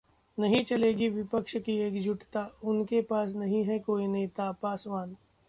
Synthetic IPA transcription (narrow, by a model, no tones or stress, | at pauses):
nɐɦĩt͡ʃɐleːɡiʋɪpəkʃkieːkd͡ʒʱʊʈt̪aʊnkepaːsnɐɦĩɦɛkoːineːt̪apaːsʋaːn